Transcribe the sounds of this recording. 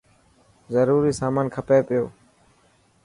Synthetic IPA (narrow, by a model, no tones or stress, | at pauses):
zəɾuːɾiːsaːmaːnkʰəpeːpɪjoː